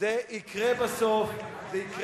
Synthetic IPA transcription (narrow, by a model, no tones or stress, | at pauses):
eikʁebasof | zeikʁ